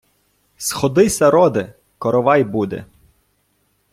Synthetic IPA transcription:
sxɔd̪ɪsʲɐɾɔd̪ɪ | kɔɾɔʋɑjbud̪ɛ̰

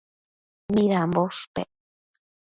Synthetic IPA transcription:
miɾamboʂpḛ

